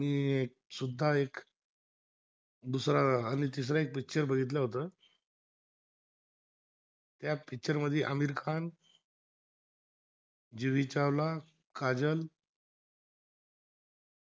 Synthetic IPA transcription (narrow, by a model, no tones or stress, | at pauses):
miːek̚ | sud̪ʱːaek | d̪usɾaːñit̪is̬ɾaek̚pik̚t͡ɕəɾbəɡʱit̪̬ləɦot̪əː | t̪japik̚t͡ɕəɾməd̪ʱːjeʔəmiɾkʰan | d͡ʑiʋit͡ɕaʋla | kad͡ʑəl